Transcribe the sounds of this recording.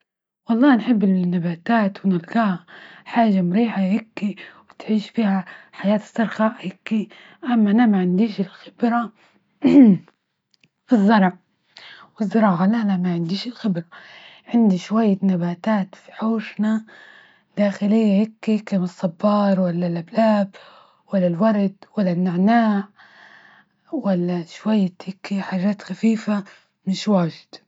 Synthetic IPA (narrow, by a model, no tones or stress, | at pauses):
wɑlˤːɑːnħɪbːɪnːabaːt̪aːt̪wɪnɪlɡaːhaħaːʒamʊɾiːħahɪkːiwɪt̪ʕiːʃfiːhaħajaːt̪sˤːɑɾˤxaʔhɪkːi | ʔamːaʔanamaʕɪnd̪iːʃɪlxɪ̥bɾa | fɨzˤːɑɾˤʕ | wɪzːɑɾˤɑːʕalanamaʕɪnd̪iːʃɪlxɪbɾa | ʕɪnd̪iʃwajːanabaːt̪aːt̪fi̥ħoːʃna | d̪̥aːxɪlɪjːahɪkːikamɨsˤːɑbːɑːɾˤwalːalʔablaːb | walːalwɑɾˤd̪walːanːɪʕnaːʕ | walːaʃwajːahɪkːiħaːʒaːt̪xafiːfa | mɪʃwaːʒɪ̥d̪̥